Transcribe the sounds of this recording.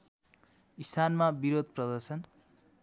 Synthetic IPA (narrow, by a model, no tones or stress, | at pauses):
ist̪ʰanmabiɾod̪̚ʱprʌd̪ʌrsʌn